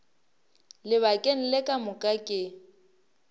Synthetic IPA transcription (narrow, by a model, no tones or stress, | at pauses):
lɪβakʼen̩lɪkʼamʊkʼakʼɪ